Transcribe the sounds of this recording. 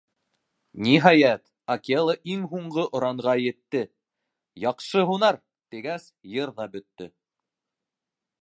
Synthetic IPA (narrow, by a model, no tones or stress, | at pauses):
niɦɑjæt̪ | ɐkʲelˠəʔiŋɦuɴɢɤʔŏɾɑɴʁɑjɘ̆t̪ːɘ | jɑqʃɤɦunɑɾ | t̪iɡæsjɤɾðɑbɵ̆t̪ːɵ